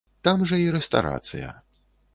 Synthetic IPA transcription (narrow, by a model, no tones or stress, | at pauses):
t̪amʐɐiɾɛst̪a̰ɾa̰t̪sɨ̰jɐ̰